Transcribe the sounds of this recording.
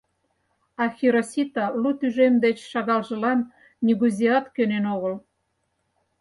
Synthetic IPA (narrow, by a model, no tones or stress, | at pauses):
ɑxʲiɾosʲit̪ɑlut̪yʒemd̪et͡ɕʃɑɣɑlʒə̆lɑn | nʲiɣuzʲiɑt̪kønenoɣə̆l